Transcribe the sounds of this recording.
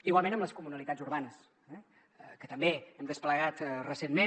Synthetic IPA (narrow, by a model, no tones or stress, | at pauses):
iɣwalˠmẽnəmləskumunəlit̪ad͡zuɾβanəs | ɛ | əkət̪əmbeɛmd̪əspləɣat̪rəsenme